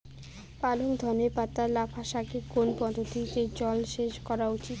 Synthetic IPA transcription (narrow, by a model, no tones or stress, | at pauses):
paloŋd̪ʱɔnepat̪ːaɾlabʰʱaʃakekonpɔd̪ʱot̪it̪ed͡ʑɔlʃeʃkɔɾaut͡ɕit̪